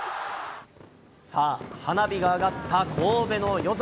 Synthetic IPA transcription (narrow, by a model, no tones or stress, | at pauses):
saːhanabʲiɡaːɡat̪ʰːakʰo̞ːbe̞no̞jo̞z